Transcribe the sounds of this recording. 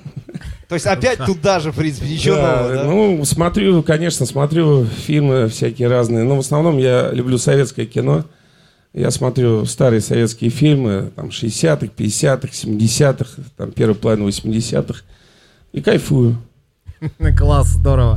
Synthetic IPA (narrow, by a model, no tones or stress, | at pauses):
t̪oɪsʲtʲɐpʲæt̚ʲt̪ut̪̚d̪aʐɨfpɾʲint̪ɨ̥pʲɪjʲɪt͡ɕdonusmɐt̪ɾʲukɐnʲe̞ʂnəsmɐt̪ɾʲufʲilʲmɨfsʲækʲɪjəɾaznɨjənuvəsnɐvno̞mjalʲʉblʲusɐvʲe̞t̪skəjəkʲɪno̞ | ja̰smɐt̪ɾʲust̪aɾɨjəsɐvʲe̞t̪skʲɪəfʲilʲmɨt̪a̰mʂɨɪsʲat̪ɨxpʲɪdʲɪsʲat̪ɨxsʲɪmʲɪdʲɪsʲat̪ɨxt̪a̰mpʲe̞ɾvɨjpəlˠɐvʲinəvəsʲmʲɪdʲɪsʲa̰t̪ɨx | ikɐjfujʊ | klˠasːd̪oɾəvə